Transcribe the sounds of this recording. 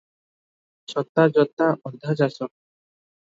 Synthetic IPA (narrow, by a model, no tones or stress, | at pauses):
ʃɔt̪ːad͡ʑɔt̪ːaʔɔd̪ʱad͡ʑasɔk̚